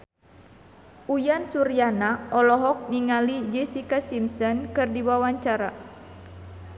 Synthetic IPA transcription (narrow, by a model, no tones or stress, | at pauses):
ʔujansuɾijanaʔɔlɔɦɔk̚niŋalid͡ʒɛsikasimsɔnkɨrdiwawaɲt͡ʃaɾa